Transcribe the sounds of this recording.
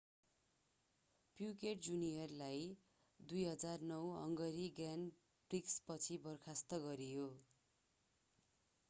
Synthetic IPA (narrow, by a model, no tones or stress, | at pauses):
pjukeʈd͡zunijʌrlaj | d̪ujɦʌd͡zarnʌwɦʌ̰ŋɡʌɾiɡan | brikspʌt͡sʰibʌrkʰast̪ʌɡʌɾijo